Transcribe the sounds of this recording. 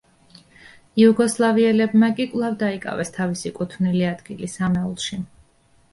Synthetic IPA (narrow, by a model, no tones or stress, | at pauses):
iuɡɔslˠaviɛlɛbmakʼikʼvlˠavd̪aikʼa̰vɛst̪ʰavisikʼut̪ʰvniliad̪̥ɡilisamɛulˠʃi